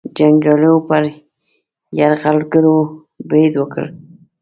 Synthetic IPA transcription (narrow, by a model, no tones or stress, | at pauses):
d͡ʒaŋɡɑlopəɾ | jaɾɣalɡəɾo | bɾed̪wəkə̰l